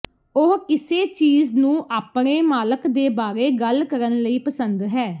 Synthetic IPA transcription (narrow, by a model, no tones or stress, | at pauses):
ʊɦkɪseːt͡ʃiːznũːʔaːpɳeːmaːləkd̪eːbaːɾeːɡəlkəɾənləiːpəsənd̪ɦɛː